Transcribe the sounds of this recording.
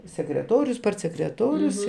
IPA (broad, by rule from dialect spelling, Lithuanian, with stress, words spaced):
sʲɛkrʲɛˈtoːrʲʊs pɐrʲtʲsʲɛkrʲɛˈtoːrʲʊs